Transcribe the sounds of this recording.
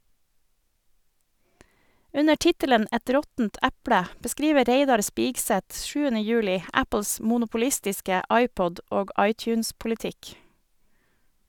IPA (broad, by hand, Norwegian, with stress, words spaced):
ˈʉnə ˈʈɪtələn ˈʔɛt ˈɾɔtn̩t ˈʔæpɽə bəˈskɾiːʋə ˈɾeɪdɑɾ ˈspiːɡsɛt ˈʃʉːənə ˈjʉːlɪ ˈæpl̩s mʊnʊpʊˈlɪstɪskə ˈʔɑɪˌpɔd ˈʔoːɡ ˈʔɑɪˌtjʉːnspʊlɪˌtɪk